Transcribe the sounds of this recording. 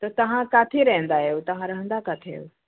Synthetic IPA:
t̪ət̪əɦãkat̪ʰeɾəɦə̃nd̪ajewt̪əɦãɾəɦə̃nd̪akat̪ʰeḛw

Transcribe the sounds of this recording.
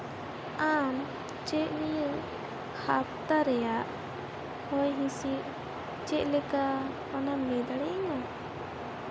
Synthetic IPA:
an | t͡ʃɛʔ̚nijə | hʰap̚t̪aɾɛjaʔ | hɔjɦĩsiʔ | t͡ʃɛʔ̚lɛka | panamɛd̪aɽɛŋa

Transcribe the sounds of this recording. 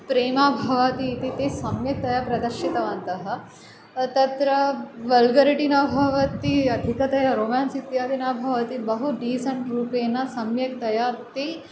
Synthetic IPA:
pɾeːmaːbʱɐʋɐt̪it̪it̪esɐmjɐk̚t̪ɐjapɾɐd̪ɐɾʃit̪ɐʋaːnt̪ɐɦɐ̆ | t̪ɐt̪ɾɐʋɐlɡɐɾiʈinaːbʱɐʋɐt̪iɐd̪ʱikɐt̪ɐjaɾoːmaːnsik̚t̪jaːd̪inaːbʱɐʋɐt̪ibɐɦuɖiːsɐɳʈɾuːpeːnːɐsɐmjɐkt̪ɐjat̪e

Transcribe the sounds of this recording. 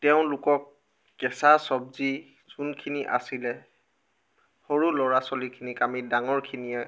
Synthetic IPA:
tɛʊ̃lʊkɔk̚ː | ɛsasɔb̚zi | z̥unkʰiniʔa̰silɛ | hoɹulɔɹasɔlikʰinikamidaŋɔɹkʰinijɛ

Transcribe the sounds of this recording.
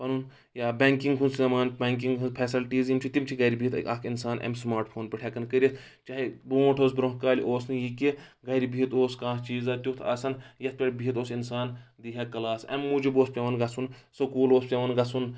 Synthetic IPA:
pɐnun | jaːbʲeŋkiŋɡɦunsɐmaːnbʲeŋk̬iŋɡupʰɛsɐlʈiːzjimʲt͡ʃʰit̪imt͡ʃʰiɡɐɾʲibʱiɦit̪ʔɐkʰinsaːnʔɐ̰msmaːɾʈpʰoːnpʲiʈʰekɐnkəɾʲis | t͡ʃaːɦiboːʈʰoːsbɾõɦkaːlʲʔoːsnɨjikiɡɐɾibiɦit̪oːskãːt͡ʃiːzaːt̪ʲut̪ʰa̰ːsɐnjɐt̪̚ʰpʲeɽʲbiɦit̪oːsinsaːnd̪iɦekɐlaːsɐ̰mːud͡ʒiboːspʲɐʋɐnɡɐsʰunsɐkuːloːspʲeʋɐnɡɐsʰun

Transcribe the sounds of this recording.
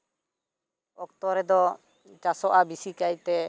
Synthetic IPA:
ɔk̚t̪ɔɾɛd̪ɔ | t͡ʃasɔʔabisikajt̪ɛ

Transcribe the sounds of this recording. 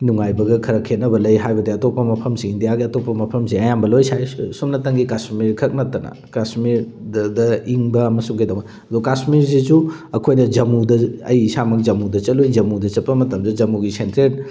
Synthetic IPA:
nuŋajbɐɡɐkʰɐɾɐkʰet̚nɐbɐlɐjɦajbɐdeɐtopːɐmɐpʰɐmsiindijaɡiɐtopːɐmɐpʰɐmseɐjambɐlojsajsumnɐtɐŋɡikasmiɾkʰɐk̚nɐtːɐnɐ̰ | kasmiɾ | dɐiŋbɐːmɐsuŋɡidɐwɐ | ɐdukasmiɾzizuɐkʰojnɐd͡ʒɐmudɐɐ̰jisamɐk̚d͡ʒɐmudɐt͡ʃɐlujd͡ʒɐmudɐt͡ʃɐt̚pːɐmɐtɐmzed͡ʒɐmuɡisentɾet̚

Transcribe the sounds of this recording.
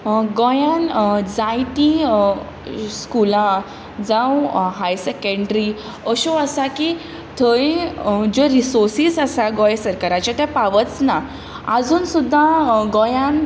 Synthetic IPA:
ɡɔjãnd͡zajʈ̪ĩ | skulã | d͡zãwɦajsɛkəɳɖɾi | əɕoasaki | t̪ʰəĩd͡ʑɔɾisoɾsiːsasaɡɔjsəɾkaɾat͡ɕat̪apaʋət͡sna | ad͡zuːnsud̪ʱːaɡɔjãn

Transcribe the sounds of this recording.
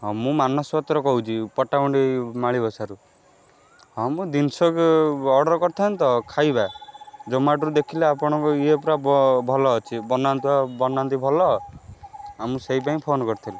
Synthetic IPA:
ɦɔmũmanɔswɔt̪ɾɔkɔɦut͡ʃʰipɔʈaɔɳɖimaɭibɔsaɾu | ɦɔmũd̪insɔkeɔɽɔɾɔkɔɾt̪ʰant̪ɔkʰajbad͡ʒɔmaʈɔɾud̪ekʰileapɔɽ̃ɔ̃ŋkɔiepɾabɔbʱɔlɔːt͡ʃʰibɔnant̪iabɔnant̪ibʱɔlɔ | amũseɦip̬aĩpʰonɔkɔɾt̪ʰili

